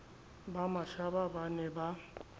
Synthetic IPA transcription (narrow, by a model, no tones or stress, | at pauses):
bamaʃababanɛba